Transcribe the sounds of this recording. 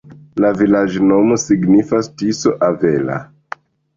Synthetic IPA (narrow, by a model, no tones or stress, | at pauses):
lavilad͡ʒnomosiɡnifastisoʔavela̰